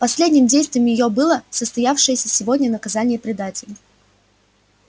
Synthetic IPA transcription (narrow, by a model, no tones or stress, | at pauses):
pɐsʲlʲedʲnʲɪmdʲejst̪vʲɪjmjɪjobɨlˠəsəst̪ɐjafʂɨjəsʲəsʲɪvo̞dʲnʲənəkɐzanʲɪjəpɾʲɪd̪atʲɪlʲ